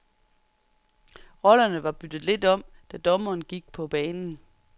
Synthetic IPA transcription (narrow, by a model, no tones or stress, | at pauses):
ʁɒ̽lɐnəʋɑ̈b̥yd̥ð̩ˠle̝d̥ɒ̽m̰ | d̥æd̥ɒ̽mɐːnɡ̥iɡ̥̚pʰɒ̽b̥ɛːnn̩